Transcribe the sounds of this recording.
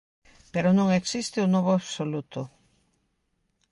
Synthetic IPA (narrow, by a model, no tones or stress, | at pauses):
peɾonõŋeksist̪ɪunɔβʊaβsolut̪ʊ